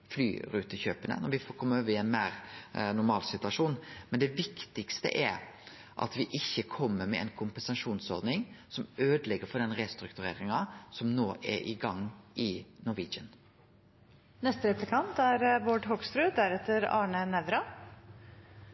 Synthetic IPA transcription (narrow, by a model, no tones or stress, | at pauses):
fly̰ːɾʉːt̪əçøːpənə̰nɔɾʋɪfɔkʰɔmːəoːʋəɪɛnmæːɾnʊɾmɑːlsɪt̪ʉɑʂuːnmɛnd̪ɛʋɪkt̪ɪkst̪ə̰ʔɛɾ | ʔɑ̰t̪ʋɪʔɪçːəkʰɔmːəmɛɛnkʰʊmpənsɑʂuːnsɔɾd̪nɪŋsɔmøːd̪əlɛɡːəɾfɔd̪ɛnɾeːst̪ɾʉkt̪ʉɾḛːɾɪŋɑsɔmnoːʔɛ̰ɾʔɪ̰ɡɑŋːʔɪnʊɾʋiːd͡ʒən | nɛst̪əɾɛplɪkʰɑnt̪æɾboɖɦokst̪ɾʉːd̪æɾɛt̪ːəɾɑːɳənɛʋɾɑ